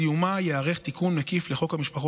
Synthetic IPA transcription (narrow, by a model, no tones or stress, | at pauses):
jumajeaʁeχt̪ikʰunmekifleχo̞khamiʃpaχo